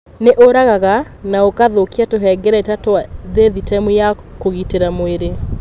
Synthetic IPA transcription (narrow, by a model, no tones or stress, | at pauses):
neʔoɾaɣaɣa | naokaðokiatoɦɛɡɛɾaetatoaðeðitɛmujakoɣiteɾamweɾe